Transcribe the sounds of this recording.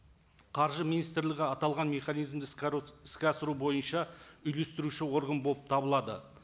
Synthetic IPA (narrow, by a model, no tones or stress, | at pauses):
qʰɑɾʒəminijst̪ɾlʲɪɡʲɪɑt̪ɑlˠʁɑnmʲe̞χɑnijzmd̪ɪɪskʲɑsəɾubo̞jənʃɑʏjle̞st̪ɪɾuʃɪwo̞ɾɡənbolˠəp̚t̪ʰɑbəlˠɑd̪ə̰